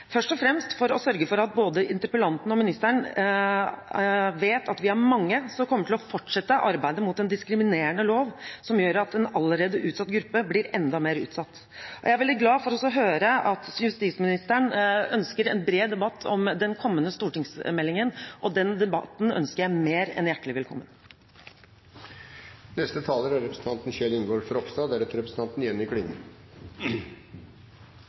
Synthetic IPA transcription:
fœʂʈɔfɾɛmst̪fɔɾɔsœɾɡəfɔɾɑt̪̚boːd̪əʔɪnt̪ɾəpəlɑnt̪ənɔmɪnɪst̪æɳ | ʋeːt̪ʰɑt̪ʋɪæɾmɑŋːəsɔkʰɔmːəʈʰɪlɔfɔʈʂɛt̪ːəʔɑɾbæɪd̪əmʊt̪ɛnd̪ɪskɾɪmɪneːəɳəloːʋsɔmjøːɾɑt̪ɛnɑlːəɾeːd̪əʔʉːsɑt̪ːɡɾʉpːəblɪɾɛnd̪ɑmeːɾʉ̰ːt̪sɑt̪ː | ʔɔjæɪæɾʋɛld̪ɪt̪ɡlɑːfɔɾɔsɔɦøːɾəʔɑt̪jʉst̪iːsmɪnɪst̪əɳœnskəɾɛnbɾeːd̪ɛbɑt̪ʰːɔmd̪ɛnkʰɔmːənəst̪uːʈɪŋsmɛlːɪŋənʔɔd̪ɛnd̪ɛbɑ̰t̪n̩œ̰nskəɾjæɪmeːɾɛ̰njæʈːəlɪʋɛlkʰɔ̰mːə̰n | nɛst̪ət̪ʰɑːləɾæɾɛpɾəsn̩t̪ɑnt̪n̩çɛlɪnɡoːɾfɾɔkst̪ɑːd̪æɾɛt̪ːəɾɛpɾəsn̩t̪ɑnt̪nɪjɛnːɪkʰɽɪŋːə̰

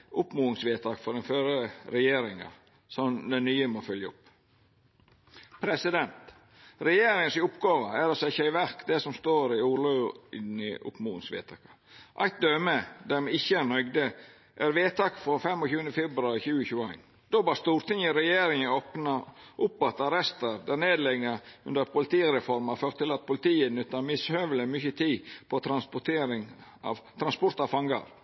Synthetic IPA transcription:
ʔʊpmuːɪŋsʋeːt̪ʰɑːkfɔɾd̪ɛnføːɾəɾɛjeːɾɪŋɑ̰ | sɔnd̪ɛnyːəmoːfœljəʊpː | pʰɾɛsɪd̪ɛnt̪ | ɾɛjeːɾɪŋənsɪʊpɡɑːʋəæɾɑsɪçæɪʋæɾkd̪ɛsɔmst̪oːɾɪuːɾlʉɪnəʔʊ̰pmuːɪ̰ŋsʋḛːt̪ʰɑːkɑ̥ | ʔæ̰ɪt̪̚d̪œːməd̪ɛmɪçːəænœʏɡd̪ə | ʔæɾʋeːt̪ʰɑkfɾɔfɛmːɔçʉːənd̪əfɛbɾʉɑɾçʉːəçʉːæ̰ɪn | d̪̥oːbɑːɾst̪uːɾt̪ɪŋəɾɛjeːɾɪŋəoːpnɑʔʊpːɑt̪ɑɾɛst̪əɾd̪æɾneːd̪lɛɡɑʉ̰nd̪əɾɑt̪pʰʊlɪt̪iːɾɛfɔɾmɑɾføːɾt̪ːɪlɑt̪̚pʰʊlɪt̪iːənʉt̪ːɑmɪshøːʋələmʏçət̪ʰiːpʰɔt̪ʰɾɑnspʊt̪ʰeːɾɪŋʔɑ̰ʋt̪ʰɾɑnspɔɾt̪ɑʋfɑŋɡɑ̰ɾ

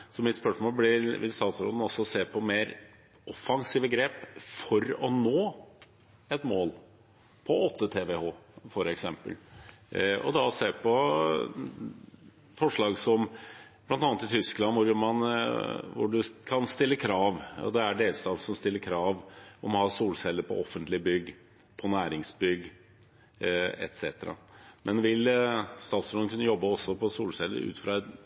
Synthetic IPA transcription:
sɔmɪt̪spœʂmoːlblɪɾʋɪst̪ɑːt̪sɾɔ̰d̪ən̩ɔsɔseːɾpʰɔmeːɾ | ʔɔfɑŋsiːʋəɡɾeːpfɔɾɔnoː | ɛt̪moːl | pʰɔɔt̪ʰːət̪ʰeːʋehoːfɔɾɛksɛmpə̰l | ɔ̰d̪ɑseːpʰɔ | fɔʂɭɑːɡsɔmb̥lɑnt̪ɑnət̪ɪt̪ʰʏsklɑnʋʊɾmɑn | ʋʊ̰ɖʉkʰɑnst̪ɪlːəkʰɾɑːʋɔ̰d̪ɛæɖeːlst̪ɑːt̪n̩sɔmst̪ɪlːəɾkʰɾɑːʋɔmnhɑsuːlsɛlːəɾpʰɔɔfːənt̪lɪəbʏɡː | pʰɔnæːɾɪŋsbʏɡː | ɛ̰t̪sɛːt̪əɾɑ̰mɛnʋɪlst̪ɑːt̪sɔənkʰʉnːəjɔbːəɔsːɔpʰɔsuːlsɛlːə̰ɾʉ̰ːt̪fɾɑːɛt̪

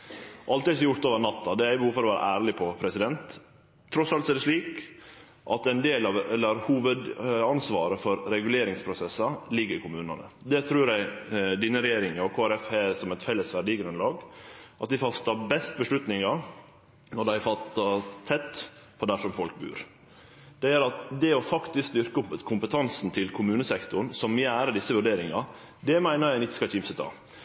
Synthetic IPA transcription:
ʔɑlt̪ɪsjʊɾt̪oːʋəɾnɑt̪ːɑd̪ɛæɾɪbəhuːʋfɔɾɔʋæːɾɑ̰ʔæːɾlɪpʰɔpʰɾɛsɪd̪ɛnt̪ʰː | ɾɔsɑlt̪sɛd̪əʂɭiːk | ʔɑt̪ɛnd̪eːlɑʋɛlːəɾhuːʋəd̪ɑnsʋɑːɾəfɔɾɾɛɡʉleːɾɪŋspʰɾʊsɛsːɑlɪɡːəɾɪkʰʊmʉːnɑ̰nə̰ | d̪ɛt̪ʰɾʉːɾæɪd̪iːnːəɾɛjeːɾɪŋəɔkʰoːæɾɛfhɛsɔmɛt̪fɛlːəsʋæɖɪɡənʉnəlɑːɡʔɑt̪̚d̪ɪfɑst̪ɑbɛst̪bəʂɭʉt̪nɪŋɑ | nɔɖ̪æɪfɑt̪ːɑt̪ʰɛt̪ːpʰɔd̪æʂɔmfɔlk̚bʉ̰ːɾ | d̪̥ɛjæɾɑt̪d̪ɛɔfɑkt̪ɪsksd̪ʏɾkəʊpəkʰʊmpət̪ʰɑnsn̩t̪ʰɪlkʰʊmʉːnəsɛkt̪ʊɳ̩sɔmjæːɾəɖɪsːəʋʉɖeːɾɪŋɑ | d̪ɛmæɪnəɾjæɪnɪçːə̥skɑt͡ʃɪmsət̪ʰɑ̰ː

